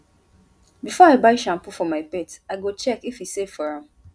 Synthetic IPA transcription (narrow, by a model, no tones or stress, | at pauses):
bifɔaɪbaɪʃãmpufɔmaɪpetaɪɡot͡ʃɛkifisefɔɹãm